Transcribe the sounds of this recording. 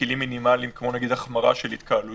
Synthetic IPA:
ilimːinimalimkmo̞naɡid̪aχmaʁa̰ʃelit̪kaːlu

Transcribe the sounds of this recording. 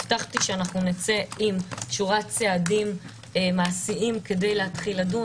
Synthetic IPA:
taχtiʃeanaχnunit͡se̞imtʃuʁatt͡seadim | maːsiʔimke̞de̞jleatχiladu

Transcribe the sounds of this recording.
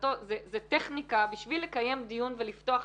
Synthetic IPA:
tozezeteχnikabiʃvilːe̞kaje̞md̪ijunvelift̪o̞aχ

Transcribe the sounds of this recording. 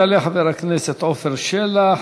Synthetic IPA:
aleħaveɾakneset̪ofeɾʃela

